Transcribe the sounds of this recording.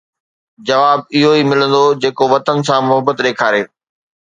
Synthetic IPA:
d͡ʑɐʋaːbɪɦoimɪlə̃nd̪od͡ʑeːkoʋɐt̪ənɪ̆sãmʊɦəbət̪ɗeːkʰaːɾeː

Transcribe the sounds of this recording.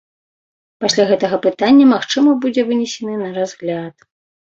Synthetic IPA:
pasʲlʲaɣɛt̪ɐɣɐpɨt̪anʲːɐmaxt͡ʂɨmɐbud͡zʲɛvɨnʲɛsʲɛnɨnɐɾazɣlʲat̪̚

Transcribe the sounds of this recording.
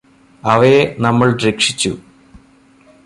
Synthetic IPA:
ɐʋenɐmːɐɭɾekʂit͡ɕːu

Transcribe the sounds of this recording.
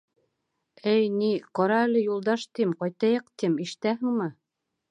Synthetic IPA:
ɘjniqɑɾɑælɘ̆julˠd̪ɑʃt̪imqɑjt̪ɑjɤq̚t̪imiʃɘ̥̆t̪æɦɘ̆ŋmɘ

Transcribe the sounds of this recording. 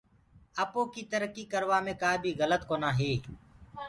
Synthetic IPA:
əpoːkiːt̪əɾəkiːkəɾʋaːmẽːkaːbʱiːɣələt̪koːnaːɦeː

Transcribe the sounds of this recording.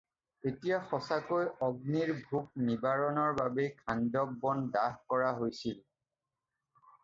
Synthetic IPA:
etijaxɔsakojɔɡniɹbʱuk̚nibaɹɔnɔɹbabekʰandɔb̚ːɔndaɦkɔɹaɦojsil

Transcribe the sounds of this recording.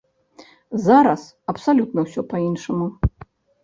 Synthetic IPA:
zaɾɐs | ɐpsalʲut̪nɐwsʲɔpainʂɐmu

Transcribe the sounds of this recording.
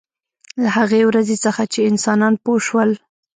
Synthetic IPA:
lahaɣewɾazet͡səxat͡ʃeɪnsɑnɑnpoʃwəl

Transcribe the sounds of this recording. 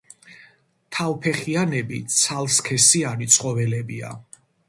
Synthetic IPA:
t̪ʰavpʰɛχianɛbit̪sʰalˠskʰɛsianit̪sʰʼχʼɔvɛlɛbia̰

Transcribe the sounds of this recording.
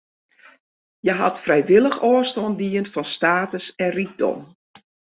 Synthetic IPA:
jəɦatfrɛjʋɪlˠəxɔːəstɔndiəntfɔnstaːtəsɛnrit̚dɔ̰m

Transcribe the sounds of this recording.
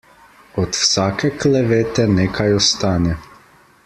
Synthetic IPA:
ɔt̪wsaːkɛklɛʋeːt̪ɛneːkʰajɔst̪aːnɛ

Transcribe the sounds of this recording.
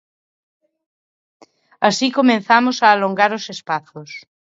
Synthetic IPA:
asikomẽnθamosaːloŋɡaɾosespaθos

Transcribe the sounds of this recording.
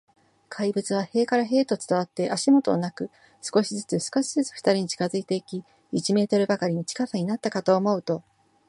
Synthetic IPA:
kʰaibɯ̟t͡sɨβ̞ahe̞ːkaɾaɦe̞ːt̪o̞t͡sɨ̥t̪aβ̞at̪ːe̞ʔaɕimo̞t̪o̞̰nakɯ̟ | sɨ̥ko̞ɕizɨt͡sɨsɨ̥ko̞ɕizɨt͡sɨ̥ɸɯ̟̥t̪aɾʲiɲ̟it͡ɕi̥kazɨit̪e̞ikʲi | it͡ɕime̞ːt̪o̞ɾɯ̟bakaɾʲino̞t͡ɕi̥kasaɲ̟inat̪ːakat̪o̞ːmo̞ɯ̟t̪o̞

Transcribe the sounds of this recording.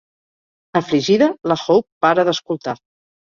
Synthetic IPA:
əfliʒiðələxowpːaɾəðəskulˠt̪a

